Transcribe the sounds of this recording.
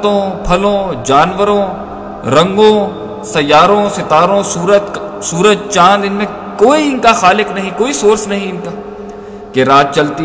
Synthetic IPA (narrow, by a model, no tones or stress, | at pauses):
t̪õːpʰɐlõːd͡ʒaːnʋəɾõː | ɾɐ̃ŋɡõː | sɐjaːɾõːsɪt̪aːɾõːuːət̪suːɾəd͡ʒt͡ʃãːnd̪ɪnmẽ | koːiɪnkaxaːlɪknɐɦĩkoːisoːɾsnɐɦĩɪnkaː | keɾaːt̪̚t͡ʃɐlt̪i